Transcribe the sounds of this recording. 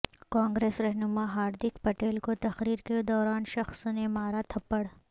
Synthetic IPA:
kãːŋɡɾeːsɾɛɦnʊmaɦaːɾd̪ɪkpɐʈeːlkot̪ɐxɾiːɾked̪ɔːɾaːnʃɐxsnemaːɾat̪ʰɐpːəɽ

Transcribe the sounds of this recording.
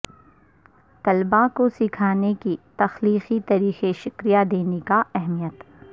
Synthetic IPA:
t̪ɐlbakosɪkʰaːnekit̪ɐxliːxit̪ɐɾiːxeʃɪkɾijad̪eːnekaɛɦmijət̪

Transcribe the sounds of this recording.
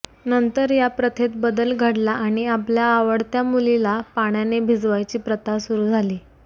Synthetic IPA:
nənt̪əɾjapɾət̪ʰet̪bəd̪əlɡʱəɽlaʔaɽ̃iapljaːʋəɽt̪jamulilapaɳ̃janebʱid͡zʋajt͡ɕiːpɾət̪asuɾuːd͡zʱaliː

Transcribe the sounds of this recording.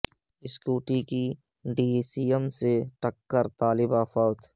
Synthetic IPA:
ɪskuːʈiki | ɖiːsiːəmseʈəkːəɾt̪aːlɪbaːfɔːt̪

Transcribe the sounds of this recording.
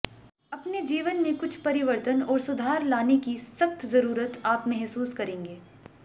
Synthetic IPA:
ɐpned͡ʒiːʋənmẽkʊt͡ʃʰpɐɾɪʋəɾt̪ənɔːɾsʊd̪ʱaːɾlaːnekisɐxt̪zɐɾuːɾət̪aːpmɛɦsuːskɐɾẽːŋɡeː

